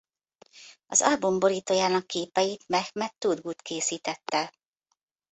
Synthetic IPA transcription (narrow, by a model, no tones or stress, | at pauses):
ɒ̰zɒlbumbo̞ɾiːt̪oːjaːnɒkːeːpɛjit̪mɛxmɛt̪ːud̪ɡut̪keːsiːt̪ɛt̪ːɛ